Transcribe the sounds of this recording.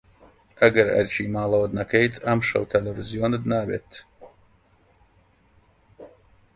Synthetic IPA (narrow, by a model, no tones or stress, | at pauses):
aɡaɾa̰ɾʲʃiːmaːlˠɔːd̪nakɛjt̪amʃɔ̰wt̪ʰʲɛlʲɛvʲiziɔnɨd̪naːvʲɛ̰t̪